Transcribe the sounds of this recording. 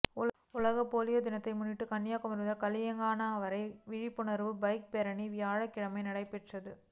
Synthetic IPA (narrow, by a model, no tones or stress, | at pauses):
ʊ | ʊlɐɣɐpoːlɪjɐd̪ɪnɐt̪ːɐɪmʊnːɪʈːɯkɐnːjaːkɯmɐɾʋɐðɐlkɐlɪjɐŋɡaːnɐɐʋɐɾɐɪʋɪɻɪpːʊɳɐɾʋɯbɐɪk̚pɛɾɐɳiʋɪjaːɻɐkːɪɻɐmɐɪnɪɽɐɪpɛʈrɐðɯ